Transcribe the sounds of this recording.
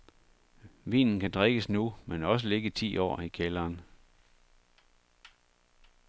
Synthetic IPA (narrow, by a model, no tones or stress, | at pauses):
ʋḭːnn̩kʰæd̥ʁeɡ̥əsnumenɒ̽s̬əle̝ɡ̥ət͡sʰḭːɒ̰ːikʰelɐːn